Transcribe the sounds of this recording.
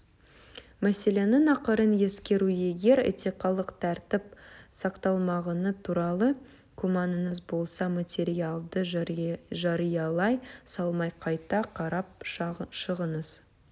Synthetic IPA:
mæse̞le̞nɪnɑqəɾənje̞skʲe̞ɾuje̞ɡʲe̞ɾɪ̰t̪ʰiqɑlˠəqt̪ʰæɾt̪ɪp̚sɑqt̪ɑlˠmɑʁɑnət̪ʰuɾɑlˠə | kʰumɑnənəzbo̞lˠsɑmat̪ʲe̞ɾialˠd̪ə | ʒɑɾijɑlˠɑjsɑlˠmɑjqʰɑjt̪ɑqʰɑɾɑp̚ʃəʁənəz̥

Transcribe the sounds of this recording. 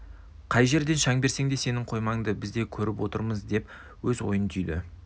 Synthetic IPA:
qʰɑjʒe̞ɾd̪e̞nʃɑŋbe̞ɾse̞ŋd̪e̞se̞nɪɴqʰo̞jmɑŋd̪əbɪzd̪e̞kʲʰɵɾɪpwo̞t̪ə̰ɾməzd̪e̞p | wɵzwo̞̰jənt̪ʰʏjd̪ɪ̰

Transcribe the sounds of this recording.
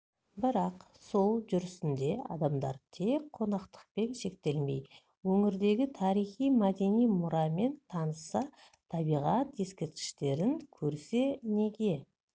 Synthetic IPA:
bɪɾɑq | so̞lˠʒʏɾɪsɪnd̪e̞ɑ̰d̪ɑmd̪ɑ̰ɾt̪ʰe̞k̚qʰːo̞nɑqt̪ə̥q̚pe̞nʃe̞k̚t̪e̞lme̞j | wɵŋɪɾd̪e̞ɡʲɪt̪ʰɑɾijχijmæd̪e̞nijmʊɾɑme̞nt̪ʰɑnəsɑ | t̪ʰɑbijʁɑt̪je̞skʲeɾt̪̚kʲɪ̥ʃt̪e̞ɾɪŋkʲʰɵɾse̞ne̞ɡʲe̞

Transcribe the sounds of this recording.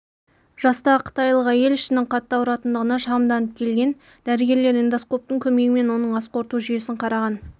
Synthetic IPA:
ʒ̥ɑst̪ɑqʰə̥t̪ɑjlˠəʁɑje̞lɪʃɪnɪŋqʰɑt̪ːɑwɾɑt̪ənd̪əʁənɑʃɑʁəmd̪ɑnəp̚kʲʰe̞lɡʲe̞n | d̪̥æɾɪɡʲe̞ɾle̞ɾind̪asqo̞p̚t̪əŋkʲʰɵme̞ɡɪme̞nwo̞nəɴɑsqo̞ɾt̪uʒʏje̞sɪɴqʰɑɾɑʁɑn

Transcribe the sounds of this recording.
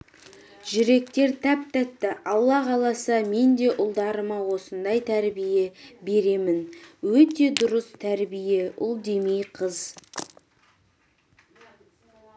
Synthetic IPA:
ʒ̥ʏɾe̞k̚t̪e̞ɾt̪ʰæp̚t̪æt̪ːɪʔɑlˠːɑqʰɑlˠɑsəme̞nd̪e̞ʔʊlˠd̪ɑɾəmɑwo̞sənd̪ɑjt̪ʰæɾbije̞be̞ɾe̞mɪnwɵt̪e̞d̪ʊɾəst̪ʰæɾbije̞ʊ̰lˠd̪e̞mejqʰəz

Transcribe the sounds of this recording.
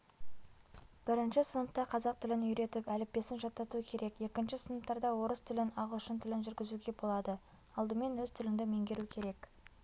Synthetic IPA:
b̥ɪɾɪnʃɪsənəp̚t̪ɑqʰɑzɑq̚t̪ʰɪlɪnʏjɾe̞t̪ɪpælɪp̚p̪e̞sɪnʒɑt̪ːɑt̪uəkʲʰe̞ɾʔe̞kje̞kʲɪnʃɪsənəp̚t̪ɑɾd̪ɑwo̞ɾəst̪ʰɪlɪnɑʁəlˠʊʃənt̪ʰɪlɪnʒʏɾɡʲɪzuɡʲe̞bo̞lˠɑd̪ə | ɑlˠd̪əme̞nwɵzt̪ʰɪlɪŋd̪ɪme̞ŋɡʲe̞ɾukʲʰe̞ɾe̞k

